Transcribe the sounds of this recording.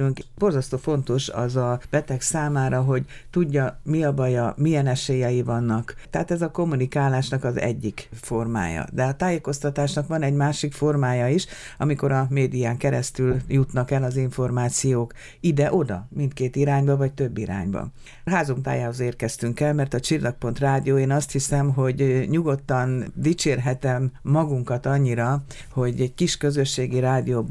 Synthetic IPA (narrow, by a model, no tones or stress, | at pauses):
yŋkbo̞rzɒst̪oːfo̞n̪t̪o̞ʃɒ̰zɒb̥ɛt̪ɛksaːmaːɾɒɦo̞ɟ | t̪uɟːɒmiɒbɒjɒmijɛnɛʃeːjɛjivɒnːɒkt̪ɛɦaːt̪ɛzɒko̞mːunikaːlaːʃnɒkɒzɛ̰ɟːikfo̞rma̰ːjɒ̰d̪ɛɒt̪aːjeːko̞st̪ɒt̪aːʃnɒkʋɒnɛɟmaːʃikfo̞rmaːjɒiʃ | ɒ̰miko̞ɾɒmeːd̪ijaːŋkɛɾɛ̰st̪yljut̪nɒkɛlɒziɱfo̞rmaːt̪sijoːk | id̪ɛʔo̞d̪ɒ̰mint̪keːt̪iɾaːɲbɒvɒc̚t̪ø̞bːiɾa̰ːɲbɒ̰ | ɦaːzomt̪a̰ːjaːɦozeːrkɛst̪yŋkɛlmɛrt̪ɒt͡ʃirlːɒk̚po̞nt̪raːd̪ijoːeːnɒst̪hisɛmɦo̞ɟɲuɡo̞t̪ːɒnd̪it͡ʃeːrɦɛt̪ɛmːɒɡuŋkɒt̪ɒɲːiɾɒ | ho̞ɟɛɟkiʃkø̞zø̞ʃːeːɡiɾaːd̪ioːb